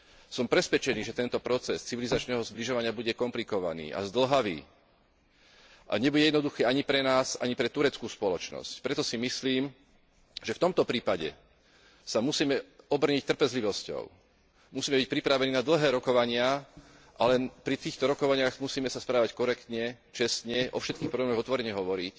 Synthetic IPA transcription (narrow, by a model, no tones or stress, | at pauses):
sɔmpɾɛsʋɛt͡ʃɛniːʒɛt̪ɛnt̪ɔpɾɔt͡sɛst͡siʋilizat͡ʃnɛːɦɔzbliʒɔʋaɲɪabuɟɛkɔmplikɔʋa̰nḭːʔa̰zd̪l̩ɦaʋḭː | ʔa̰ɲɛbuɟɛjɛd̪nɔd̪uxɛːaɲipɾɛnaːsa̰ɲipɾɛt̪uɾɛt͡skuːspɔlɔt͡ʃnɔ̰scpɾɛt̪ɔsimisliːm | ʒɛft̪ɔmt̪ɔpɾiːpaɟɛ̰ | samusiːmɛɔbr̩ɲic̚t̪r̩pɛzliʋɔscɔ̰ʊ | musiːmɛbic̚pɾipɾaʋɛniːnad̪l̩ɦɛːɾɔkɔʋaɲɪa | ʔalɛnpɾit̪iːxt̪ɔɾɔkɔʋaɲɪaːxmusiːmɛsaspɾaːʋackɔɾɛkt̪ɲɛt͡ʃɛst̪ɲɛʔɔ̰fʃɛt̪kiːxpɾɔblɛmɔɣɔt̪ʋɔɾɛɲɛɦɔʋɔɾic